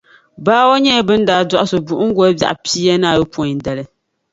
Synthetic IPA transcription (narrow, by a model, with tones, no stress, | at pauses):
baː˦wo˦ɲɛ˦˨bɨ˦n̩˦daː˨dɔ˦ʔa˦so˨bu˨ʔʊ˦ŋ̩˦ɡɔ˦bja̰˨ʔpiː˦jɛ˦na˦˨jo˦pɔ˨ɲ˨n˨dɛ˨lɨ˦